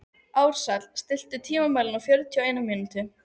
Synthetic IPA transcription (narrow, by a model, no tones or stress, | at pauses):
aːwɾ̥sat̪lst̪ɪl̥t̪ʏt̪ʰiːmamaːjlɪnawfjœɾt̪ʰiɔeːjnamɪnʏt̪ɪ